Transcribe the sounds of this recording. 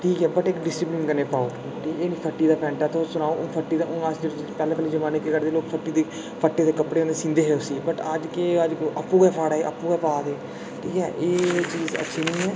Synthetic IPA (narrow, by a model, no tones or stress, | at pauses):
ʈʰiːkɦɛːbəʈɪkɖɪsɪplɪnkəneːpaːoː | ʈʰiːkeːnĩːpʰəʈːiːd̪aːpɛ̃ːɳʈaːt̪ʰoːsʊnaːoːʔːpʰəʈːiːd̪aːʔʊnãːsd͡ʒəpɛːlẽːpɛːliːd͡ʒəmaːnekeːkəɾd̪eːloːkpʰəʈːiːd̪eː | pʰəʈːeːd̪eːkəpɽeːõːnesĩnd̪eːɦeːʊsiːbəʈəd͡ʒkeːəd͡ʒʔəpːuːɡɛːpʰaːɽaːeːʔə̰pːuːɡaːpaːd̪eː | ʈʰiːkɦɛ̰ːʔeːt͡ʃiːzə̰tːʃʰiːnĩːɛː